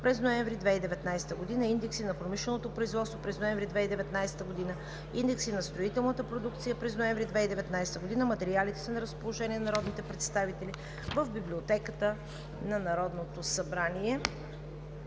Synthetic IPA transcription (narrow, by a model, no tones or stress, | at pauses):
pɾɛznoɛ̃ɱvɾid̪vɛid̪ɛvɛt̪najsɛ̥t̪əɡod̪inəind̪ɛksinɐpɾomiʃlɛnot̪opɾoizvɔt̪st̪vopɾɛznoɛɱvɾid̪vɛid̪ɛvɛt̪najsɛ̥t̪əɡod̪inə | ind̪ɛksinɐst̪ɾoit̪ɛlˠnət̪əpɾod̪ukt̪sijəpɾɛznoɛɱvɾid̪vɛid̪ɛvɛt̪najsɛ̥t̪əɡod̪inəmɐt̪ɛɾialit̪ɛ̥sɐnɐɾəspolˠoʒɛnʲiɛnɐɾɔd̪nit̪ɛpɾɛt̪st̪avit̪ɛli | vəvbiblʲiot̪ɛkət̪ə | nɐnɐɾɔd̪not̪osɐbɾaniɛ